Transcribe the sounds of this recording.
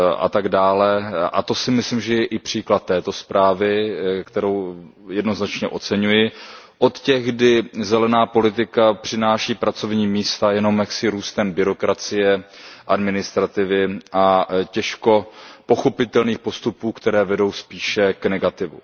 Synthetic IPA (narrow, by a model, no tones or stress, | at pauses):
ʔa̰t̪aɡdaːlɛʔa̰t̪o̞sɪmɪslɪmʒɛjɛʔɪpr̝̥iːklat̪ːɛːt̪o̞spɾʔaːvɪkt̪ɛɾo̞w | jɛdno̞znat͡ʃɲɛʔo̞t͡sɛɲujɪ | ʔo̞t̪cɛɣɡdɪzɛlɛnaːpo̞lɪt̪̬ɪkapr̝̥ɪnaːʃiːpɾat͡so̞vɲiːmiːst̪ajɛno̞mjaksɪɾuːst̪ɛmbɪɾo̞kɾat͡sɪjɛʔadmɪnɪst̪ɾat̪ɪvɪʔacɛʃko̞po̞xo̞pɪt̪ɛlniːxpo̞st̪upuːkt̪ɛɾɛːvɛdo̞wspiːʃɛknɛɡat̪ɪvu